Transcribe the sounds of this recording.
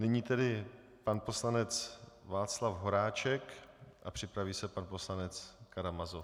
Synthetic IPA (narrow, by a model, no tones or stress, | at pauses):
nɪɲiːt̪ɛdɪ | panpo̞slanɛt͡svaːt͡slafɦo̞ɾaːt͡ʃɛkʔapr̥ɪpɾaviːsɛpanpo̞slanɛt͡skaɾamazo